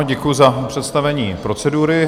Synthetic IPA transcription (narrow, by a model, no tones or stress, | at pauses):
ɟɛkujuzapr̝̥ɛt̪st̪avɛɲiːpɾo̞t͡sɛduːɾɪ